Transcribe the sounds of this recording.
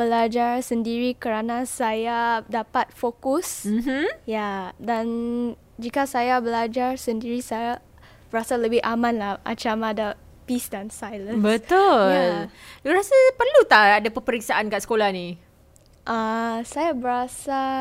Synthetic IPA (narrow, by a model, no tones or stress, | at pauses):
bəlad͡ʒarsəndiɾikəɾanãsajadapat̪̚fokus̩jadan | d͡ʒikasajabəlad͡ʒarsəndiɾisaja | b̥əɾasaləbɪhʔamãnlahmʔa̰t͡ʃamãda | pisdansajlənbət̪ʊalɾasapərlut̪aadapəpəɾiksaʔankaʔsə̥kolahni | ʔasajabəɾasa